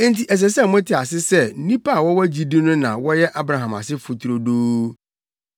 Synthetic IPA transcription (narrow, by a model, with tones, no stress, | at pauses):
n̩˦tʰi˨ɛ˨s̬ɛ˨sɛ˦˨mʊ̃˦tʰɪ˨a˨sɪ˦sɛ˦˨˦nĩ˦pa˦˨wɔ˦wɔ˦d͡ʑi˦di˦nʊ̃˦nã˨wɔ˦jɛ˦ʔa˦bɾa˨ɦã˨ma̰˨sɪ˦fʊ˨tʰu˨ɾo˨doː˦